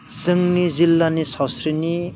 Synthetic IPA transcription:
sɯŋnid͡zilːanisʌsɾini

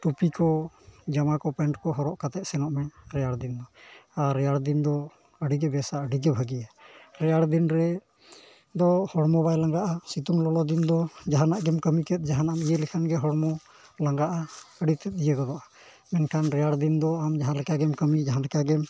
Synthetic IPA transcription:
ʈupikɔd͡ʒamakɔpɛɳʈkɔɦɔɾɔʔkat̪ɛt̪̚sɛnɔʔmɛɾɛjaɽd̪ind̪ɔaɾːɛjaɽd̪ind̪ɔ | əɽiɡɛbɛsaəɖiɡɛbʱəɡijaɾɛjaɽd̪inɾɛ | d̪ɔhɔɽmɔbajlaŋɡaʔasit̪uŋlɔlɔd̪ind̪ɔd͡ʒaɦanaʔɡɛmkəmikɛt̪̚d͡ʒaɦanaamijəlikʰanɡɛɦɔɽmɔ | laŋɡaʔaəɖit̪ɛt̪̚ˀdijəɡɔd̪ɔʔa | mɛnkʰanɾɛjaɽd̪ind̪ɔamd͡ʒaɦãlɛkaɡɛmkəmid͡ʒaɦãlɛkaɡɛm

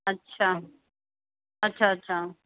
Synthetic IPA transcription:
ɐtːʃʰaː | ɐtːʃʰaɐtːɕʰaː

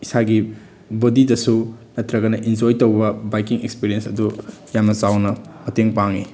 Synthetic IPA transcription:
isaɡi | bodidɐsunɐtɾɐɡɐnɐʔind͡ʒojtowbɐbajkiŋekspiɾijensɐdu | jamɐsawnɐmɐteŋpaŋi

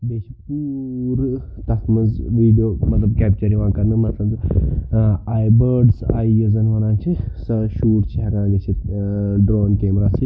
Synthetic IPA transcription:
d̪eːt͡ʃʰipuːɾ | t̪ɐkʰmɐzʋiːɖijoːmɐt̪lɐbkɛːp̚t͡ʃɐɾiʋãːkɐɾnɨmɐt̪lɐb | aːjbəːɾɖsaːiəzɐnɦonãːt͡ʃʰisɐʃuːʈt͡ʃʰiɦɐɡãːɡ̪et͡ʃʰiɖɾoːnkeːmɾaːsi

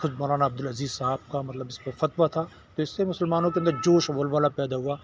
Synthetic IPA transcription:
xʊt͡ʃmɔːɾaːnaɐb̚d̪ʊlɐziːzsaːb̚kamɐt̪ləbɪspɐɾfɐt̪ʋat̪ʰaː | t̪oɪsːemʊsəlmaːnõk̬eɐnd̪əɾd͡ʒoːʃɐʋəlʋaːlapɛːd̪aɦuaː

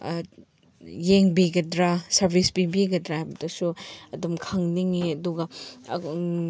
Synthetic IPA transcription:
jeŋbiɡɐdɾasɐɾbʱisbibiɡɐdɾahabɐdɐsuɐdumkʰaŋniŋiɐduɡɐ

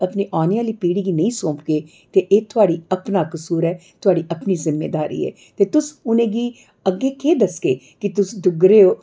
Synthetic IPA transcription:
əpniːʔaːneãːliːpiːɽiːɡiːnəĩːsõːpɡeː | t̪eːʔeːt̪ʰʊaːɽiːəpnaːkəsuːɾɛːt̪ʰʊɦaːɽiːʔəpniːzɪmːḛːd̪aːɾḭːɛ̰ː | t̪eːt̪ʊsʊnẽːɡiː | əɡːeːkeːd̪əskeː | kɪt̪ʊsd̪ʊɡɾeːoː

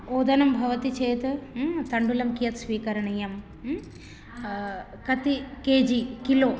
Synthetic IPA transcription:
oːd̪ɐnɐmbʱɐʋɐt̪it͡ʃeːt̪ɨt̪ɐɳɖulɐmkijɐt̪sʋiːkɐɾɐɳɐjɐm | kɐt̪ikeːd͡ʑikiloː

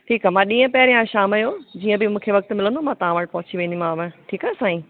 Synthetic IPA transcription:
ʈʰiːkaːmãːɗĩːə̃pɐɦɪɾjãʃaːmɐjod͡ʑiːə̃bɪmũːkʰeʋɐk̚t̪mɪlə̃nd̪omãt̪ɐʋ̤ãʋɐʈɪ̆pɐɦʊt͡ɕiʋẽːnd̪im̤ãɐʋə̃ʈʰiːkaːsãːĩ

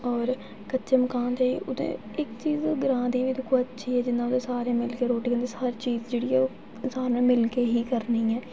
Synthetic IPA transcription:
ɔːɾ | kətːt͡ʃəməkãːnt̪eːiːʔʊd̪ḛ̃ː | ɪkt͡ʃiːzɡəɾãːd̪iːʋiːd̪ɪkʰːoətːʃʰiːɛːd͡ʒɪnːãːʊd̪ẽːsaːɾẽːmɪlkeːɾoːʈiːkə̃nd̪eəɾt͡ʃiːzd͡ʒeːɽiːɛːoː | saːɾẽːmɪlkeːɦiːkəɾniːɛː

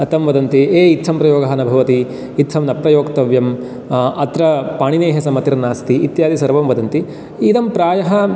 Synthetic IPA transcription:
ɐt̪ɐmʋɐd̪ɐnt̪ieːit̪ʃʰɐmpɾɐjoːɡɐɦɐnɐbʱɐʋɐt̪iː | t̪ʃʰɐmnɐpɾɐjoːkt̪ɐʋjɐm | ɐt̪ɾɐpaːɳineːɦɐsɐmɐt̪iɾɐnaːst̪iːt̪jaːd̪isɐɾʋɐmʋɐd̪ɐnt̪i | it̪ɐmpɾaːjɐɦɐ

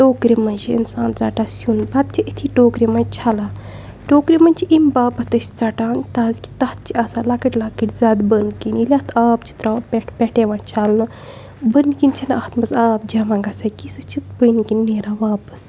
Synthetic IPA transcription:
ʈoːkɾimɐnd͡ʒiḭnsaːnt͡saʈaːsjunbɐt̪̚t͡ʃ̪ʲʰiʔit̪ʰiʈoːkɾimɐ̃t͡ʃʰalaː | ʈoːkɾimɐnʲt͡ʃʰiʔimbaːpət̪əsʲt͡sɐʈaːnt̪aːzkʲi̥t̪ɐt̪̚t͡ʃʰiɐsalakiʈʲlakiʈʲzʲaːd̪bənkinilʲat̪ʰaːpt͡ʃʰi̥t̪ɾapeʈpʲeʈeʋãːt͡ʃʰɐlnɨ | bənkint͡ʃʰɐnɐht̪ʰmɐzaːp̚d͡ʒamãːŋɡɐsakisɨt͡ʃʰit̪̚bənkinʲːeːɾaːʋaːpə̥s

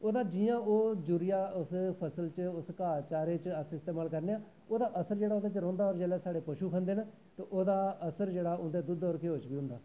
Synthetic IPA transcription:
oːd̪aːd͡ʒɪjãːoːd͡ʒuːɾɪjaːʊspʰəsəlt͡ʃʊskaːt͡ʃaːɾeːt͡ʃəsɪst̪eːmaːlkəɾneːaː | oːd̪aːʔəsəɾd͡ʒeːɽaːoːd̪aːt͡ʃɾɔ̃ːnd̪aːɔːɾd͡ʒɛːlɛːsaːɽeːpəʃuːkʰənd̪eːn | t̪eːʔoːd̪aːəsəɾd͡ʒeːɽaːʊnd̪eːd̪ʊd̪oːɾkeːoːt͡ʃbiːɦʊ̃nd̪aː

